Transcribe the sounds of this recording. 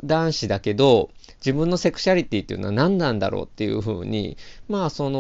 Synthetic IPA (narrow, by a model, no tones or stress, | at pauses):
d̪ãɰ̃ɕid̪ake̞d̪o̞ | d͡ʑibɯ̟̃nːo̞se̞kɯ̟̥ɕaɾʲit̪ʲiːt̪ːeiɯ̟noanãnd̪ãnd̪a̰ɾo̰ːt̪ːe̞jɯ̟̰ɸɯ̟̰ːɲ̟ḭmaːso̞no